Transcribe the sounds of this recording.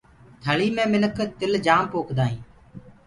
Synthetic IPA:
t̪ʰəɭiːmẽːmɪnəkʰt̪ɪld͡ʒaːmpoːkʰd̪aːɦĩː

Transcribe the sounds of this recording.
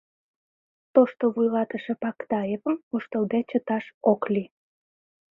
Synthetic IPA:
t̪oʃt̪oβujlɑt̪əʃĕpɑkt̪ɑjevəmuʃt̪əld̪et͡ɕət̪ɑʃokli

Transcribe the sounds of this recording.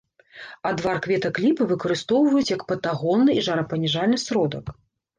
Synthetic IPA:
ɐd̪varkvʲɛt̪ɐklʲipɨvɨkɐɾɨst̪ɔwvɐjut͡sʲjɐkpɐt̪aɣɔnːɨiʐaɾɐpɐnʲɛʐalʲnɨsɾɔd̪ɐk

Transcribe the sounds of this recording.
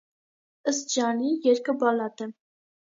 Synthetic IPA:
əs̚d͡ʒɑnijɛɾkəbɑlɑt̪ə

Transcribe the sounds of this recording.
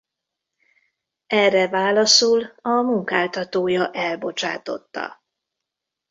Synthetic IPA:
ɛrːɛvaːlɒsulɒmuŋkaːlt̪ɒt̪oːjɒʔɛlbo̞t͡ʃa̰ːt̪o̞̰t̪ːɒ̰

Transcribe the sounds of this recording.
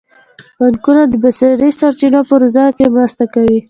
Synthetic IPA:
bankunad̪əbaseɾisaɾt͡ʃinapəɾzakemɾast̪akawi

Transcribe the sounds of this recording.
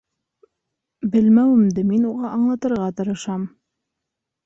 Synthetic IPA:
bɘlmæwɘ̆md̪ɘminuʁɑʔɑɴlˠɑt̪ɤ̆ɾʁɑt̪ɤ̆ɾɤ̆ʃɑm

